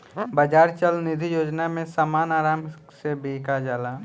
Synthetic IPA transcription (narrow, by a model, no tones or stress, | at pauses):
bəd͡ʒaːɾt͡ʃəlnɪd̪ʱijoːd͡ʒnamẽsamaːnaːɾaːm | sebeːkad͡ʒaːlaː